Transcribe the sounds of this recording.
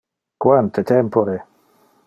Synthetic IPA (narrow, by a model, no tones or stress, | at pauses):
kwant̪ʰet̪ʰɛmpoɾe